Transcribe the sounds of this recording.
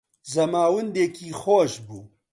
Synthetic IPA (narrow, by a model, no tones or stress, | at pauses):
zɐmaːwɨnd̪eːkiːxoːʃbuː